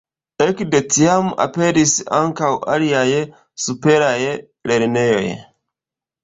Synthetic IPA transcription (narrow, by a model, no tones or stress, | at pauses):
ekde̞tiama̰pe̞ɾisaŋkawa̰liaj | supe̞ɾaj | leɾne̞jo̞̰j